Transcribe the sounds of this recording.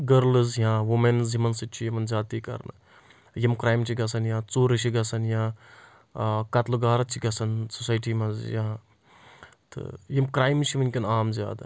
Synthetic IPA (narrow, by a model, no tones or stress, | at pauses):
ɡɐɾlɨzjãːʋumenzimɐnsɨtt͡ʃʰijimɐnzʲaːt̪iːkɐ̰ɾnɨ̰ | jimkɾaːjimt͡ʃʰiɡɐsɐnjãːt͡suːɾɨt͡ʃʰiɡɐsɐnjãː | kɐt̪luɡaːɾɐt͡ʃʰiɡɐsɐnsusaːjʈiːmɐzjã | t̪ɨ̰jimkɾaːjmt͡ʃʰimɐnʲkʲinaːmzʲja̰ːd̪ɐ̰